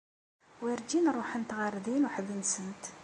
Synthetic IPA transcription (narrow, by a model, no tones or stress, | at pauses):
wiɾd͡ʒinɾˤoħənt̪ʁɑrˤːðinuħðənsənt̪